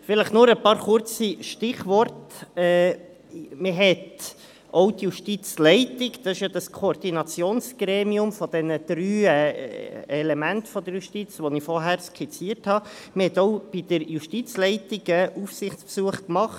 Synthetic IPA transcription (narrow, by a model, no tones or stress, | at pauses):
fɪləχnʊɾəpɑːɾχʊrt͡siʃtɪχʋɔrtɛː | məɦɛt̪ | ʔɔwtjuʃtit͡slɛɪtɪkd̥ɑsɪʃjɑd̥̪ɑskʰoːrd̥inɑt͡sjoːnsɡ̥ɾeːmiʊmfɔd̥ɛnəd̪̥ɾyːɛ | ɛlɛmæntfɔd̪əɾjuʃtit͡sʋɔnifɔrɦæːɾskʰɛt͡siːəɾthɑ | məhɛt̪ɔʊb̥id̥əɾjuʃtit͡slɛɪtɪɡəʔufsɪχt͡spsuəχkmɑχt